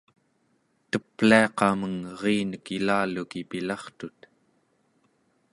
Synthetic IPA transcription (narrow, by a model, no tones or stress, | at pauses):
t̪əpliɑqɑməŋʁiːnəkilaːlukipilɑχt̪ut̪